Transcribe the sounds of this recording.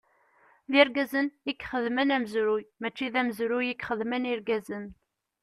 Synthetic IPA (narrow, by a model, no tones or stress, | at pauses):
ðiɾɡæzənikχəðmənæməzɾujmæt͡ʃːiðæmzɾujikχəðməniɾɡæzən